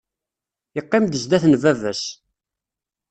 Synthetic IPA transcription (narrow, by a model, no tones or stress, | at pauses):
əqːɪmd̪əzd̪æθnvævæs